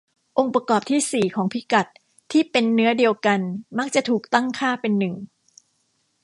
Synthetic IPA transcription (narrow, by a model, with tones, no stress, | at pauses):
ʔo˧ŋpɾa˧kɔː˨˩p̚t̪ʰiː˥˩siː˨˩kʰɔː˩˦ŋpʰi˦˥ka˨˩t̪̚ʰː | iː˥˩pe˧nːɯ˦˥ɐdi˧əwka˧nma˦˥k̚t͡ɕa˨˩ʔt̪ʰuː˨˩k̚t̪a˥˩ŋkʰaː˥˩pe˧nːɯ˨˩ŋ